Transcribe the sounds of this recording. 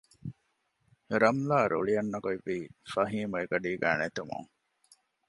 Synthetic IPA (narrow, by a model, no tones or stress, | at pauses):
ɾɐmlaːɾṵɭijɐnːɐɡoiʋːiːfɐɦiːmɐeɡɐɖiːɡæ̰ːnet̪umṵŋ